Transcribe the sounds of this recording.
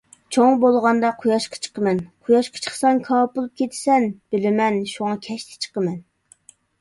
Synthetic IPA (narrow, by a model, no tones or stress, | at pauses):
t͡ʃʰoŋbolˠʁɑnd̪ɑqʰʊjɑʃqʰɑ̥t͡ʃʰə̥qəmɛnqʰʊjɑʃqʰɑ̥t͡ʃʰə̥χsɑnkʰɑːpulˠup̚kʲʰet̪ʰɪ̥sɛnb̥ɪlɪmɛnʃuŋɑkʲʰɛʃt̪ʰɪ̥t͡ʃʰə̥qəmɛn